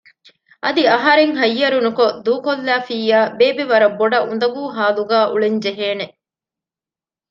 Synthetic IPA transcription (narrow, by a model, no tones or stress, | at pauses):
ʔɐd̪iɐɦɐɾeŋɦɐjːɐɾunukod̪uːkolːæːfiːjæːbeːbiʋɐɾɐbːoɖɐʔund̪ɐɡuːɦaːluɡaːʔuɭeɲd͡ʒeɦeːne